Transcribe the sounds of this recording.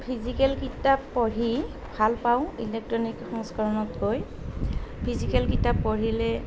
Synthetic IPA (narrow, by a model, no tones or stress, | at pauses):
pʰizikɛlkitapːɔɹi | bʱalpaʊ̃ilɛk̚tɹɔnikxɔŋskɔɹɔnɔtɡoj | pʰizikɛlkitapːɔɹilɛ